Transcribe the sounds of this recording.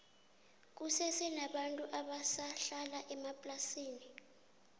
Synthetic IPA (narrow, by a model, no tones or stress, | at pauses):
k̬usɛsɛnaɓantʼuʔaɓasaɬalaʔɛmapʼlasiːni